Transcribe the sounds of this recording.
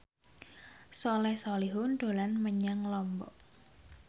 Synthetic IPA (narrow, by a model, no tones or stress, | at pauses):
sɔlɛhsɔliɦʊnɖ̥o̤lanməɲaŋlɔmbɔ̰ʔ